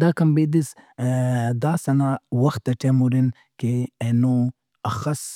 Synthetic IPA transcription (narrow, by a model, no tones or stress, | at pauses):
d̪akɐmbed̪is | d̪aːsɐnawɐxt̪ːɐʈemuɾin | keeno | ɐxɐs